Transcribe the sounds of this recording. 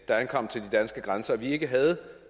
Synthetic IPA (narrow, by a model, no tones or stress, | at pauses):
d̥ɑ̈ænkʰɒ̽m̰t͡sʰe̝ld̥id̥ænsɡ̥əɡ̥ʁansɐɒʋie̝ɡ̥əɦæð̞̩ˠ